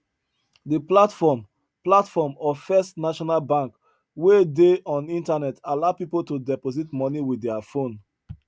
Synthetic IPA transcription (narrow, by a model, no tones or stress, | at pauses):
dəplatfɔm | platfɔmɔfɛstnaʃɔnalbãŋk | wedeɔ̃nĩntanɛtalaʊpipoltudɛpozitmɔniwiɛafõn